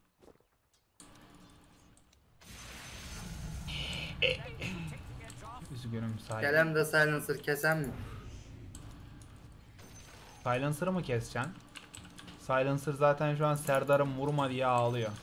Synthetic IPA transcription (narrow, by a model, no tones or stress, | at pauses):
yzɟynymsaelæmd̪ɛsajlˠɯnsɯɾcʰɛsænmɪ | sajlˠɯnsɯɾɯmɯcʰɛst͡ʃʰæn | sajlˠɯnsɯɾzaːt̪ʰænʃuansæɾd̪aɾɯmːuɾumad̪ijɛaːlˠɯjo